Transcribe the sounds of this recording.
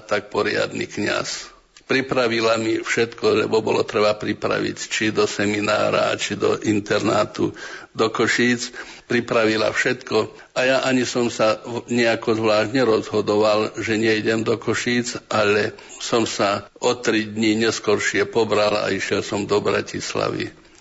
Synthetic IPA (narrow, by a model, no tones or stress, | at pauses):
t̪ak̚pɔɾɪa̰d̪nḭkɲa̰s | pɾipɾaʋilamifʃɛt̪kɔlɛ̰bɔbɔlɔt̪ɾɛbapɾipɾa̰ʋḭct͡ʃid̪ɔsɛmina̰ːɾa̰t͡ʃid̪ɔ̰ʔint̪ɛɾnaːt̪ud̪ɔkɔʃiːt͡s | pɾipɾaʋila̰fʃɛt̪kɔ | ajaʔaɲisɔmsaɲɛakɔzʋlaːʃɟɲɛɾɔzɦɔd̪ɔʋalʒɛɲɛiɟɛmd̪ɔkɔʃiːt͡sʔalɛ | sɔmsaʔɔt̪ɾid̪ɲiɲɛskɔɾʃɪɛpɔbɾala̰iʃjɛlsɔmd̪ɔbɾa̰cisla̰ʋḭ